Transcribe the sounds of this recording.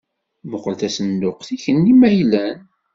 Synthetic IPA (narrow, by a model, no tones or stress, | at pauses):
mʊqəlθæsənd̪ʊqθiçənːimæjlæn